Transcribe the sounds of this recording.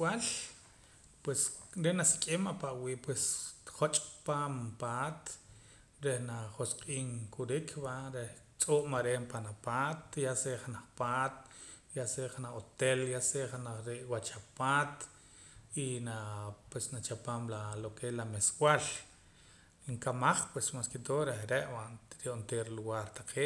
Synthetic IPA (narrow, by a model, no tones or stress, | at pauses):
wal | pwesɾenasi̥kʼemapaʔwiːʔpwesχot͡ʃʼpaːmpaːt̪ | ɾehnaχosqʼiːŋkʰuɾikʰbaɾeh | t͡sʼoːʔmaɾeːmpanapaːt̪jaseʔχanaχpaːt̪ | jaseʔχanaχot̪eljaseχanaχɾeʔwat͡ʃapaːt̪ | inapwesnat͡ʃapaːmlalokelameswal | ŋkamaχpwesmaskit̪oːʔɾehɾeʔwaʔɾoʔnt̪eɾluɣaːɾt̪aqʰeːʔ